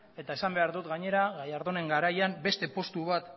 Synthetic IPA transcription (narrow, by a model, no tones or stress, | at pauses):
e̞t̪ae̞sambe̞aɾðut̪ɡaɲe̞ɾaɣajaɾðone̞ŋɡaɾajambe̞st̪e̞po̞st̪uβat̪